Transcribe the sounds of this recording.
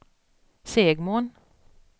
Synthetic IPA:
seːɡmoːn

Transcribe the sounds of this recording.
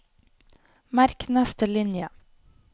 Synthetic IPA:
mæɾknɛst̪əlɪnjə

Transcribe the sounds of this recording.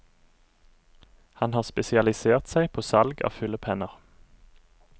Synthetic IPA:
hɑnhɑːʁspɛsɪɑlɪseːʁt̪sæɪpʰoːsɑlɡɑ̰ːfʉləpʰɛnəʁ

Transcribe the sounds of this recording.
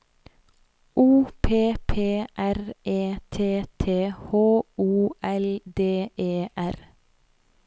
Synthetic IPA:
ʔuːpʰeːpʰeːʔæɾʔeːt̪ʰeːt̪ʰeːhoːʔuːʔɛld̪eːʔeːʔæɾ

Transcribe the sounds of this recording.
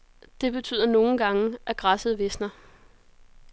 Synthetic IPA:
d̥e̝b̥e̝t͡sʰy̰ːð̰ˠɐno̝ːn̩ɡ̥ɑ̈ŋəʔæɡ̥ʁɑ̈səð̩ˠʋe̝snɐ

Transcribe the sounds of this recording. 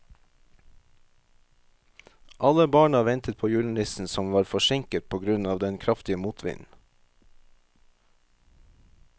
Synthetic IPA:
ʔɑləbɑːɳɑʋɛnt̪ət̪̚pʰoːjʉːl̩ɪsn̩sɔmʋɑːɾfɔʃɪŋkət̪̚pʰoːɡɾʉnɑːʋd̪ɛnkʰɾɑft̪ɪəmuːt̪ʰʋɪ̰nn̩

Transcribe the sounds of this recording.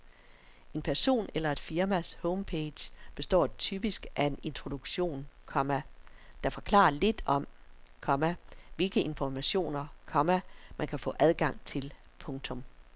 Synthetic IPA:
e̝npʰæɐso̝̰ːnelɐe̝d̥fiɐmæshɔʊmpʰed̥jb̥e̝sd̥ɒ̰ːt͡sʰyb̥isɡ̥ʔæe̝ne̝nt͡sʰʁo̝d̥uɡ̥ɕo̝̰ːnkʰɒ̽mæ | d̥ɑ̈fɒkʰlɑ̰̈ːɐle̝d̥ɒ̽mkʰɒ̽mæʋe̝lɡ̥əʔe̝nfɒmæɕo̝̰ːnɐkʰɒ̽mæmʔænkʰæfɔ̰̽ːʔæðˠɡ̥ɑ̈ŋ̰t͡sʰe̝l | pʰɔ̽ŋt͡sʰɔ̽m

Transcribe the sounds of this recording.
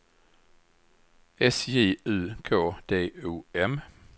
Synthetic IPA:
esje̝̰ːʉðˠkʰɔ̰ːd̥ḛːṵːem

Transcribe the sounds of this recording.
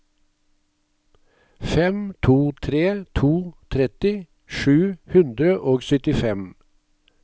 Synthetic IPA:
fɛmt̪ʰuːt̪ʰɾeːt̪ʰuːt̪ʰɾɛt̪ɪ | ʃʉːhʉnd̪ɾəʔoːɡsʏt̪ɪfɛm

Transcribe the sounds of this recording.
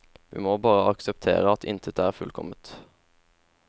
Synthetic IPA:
ʋḭːmoːbɑːʁəɑksəpt̪ʰḛːʁəɑt̪ʰɪ̰nt̪ʰət̪əæːʁfʉlkʰɔ̰mət̪

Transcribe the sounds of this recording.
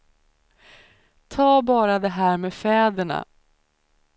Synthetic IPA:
t̪ʰɑːbɑːɾad̪ɛɦæːɾmeːfɛːd̪əɳa̰

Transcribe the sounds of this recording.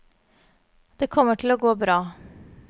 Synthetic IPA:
d̪̥eːkʰɔməʈʰɪl̩oːɡoːbɾɑː

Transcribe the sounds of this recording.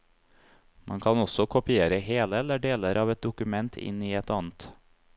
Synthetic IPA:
mʔɑ̰ŋkʰɑnɔsɔkʰʊpɪeːɾəheːləɛləɖeːləɾʔɑːʋɛt̪̚d̪ʊkʉmɛnt̪ʰɪ̰niːɛt̪ɑːnt̪

